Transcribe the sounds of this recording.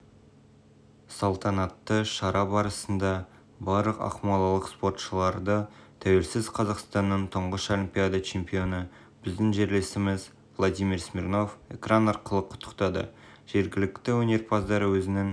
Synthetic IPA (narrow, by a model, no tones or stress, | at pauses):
solˠt̪ʰɑnɑt̪ːəʃɑɾɑbɑɾəsənd̪ɑ | bɑɾlˠəqɑ̰qmɑlˠɑlˠəqspo̞rt̪ʃəlˠɑɾd̪ət̪ʰæwe̞lsɪzqʰɑzɑqst̪ɑnːəɴt̪ʰəɴʁəʃolʲimpʲijad̪ɑt͡ʃʰe̞mpʲijo̞nə | b̥ɪzd̪ɪŋʒe̞ɾle̞sɪmɪz | vlˠod̪ijmiɾsmʲirno̞fe̞̰kranɑɾqəlˠəqʰʊ̥t̪ʰːə̥qt̪ɑd̪ə̰ | ʒ̥e̞ɾɡʲɪlɪkt̪ɪwɵne̞ɾpʰɑzd̪ɑɾəwɵzɪnɪŋ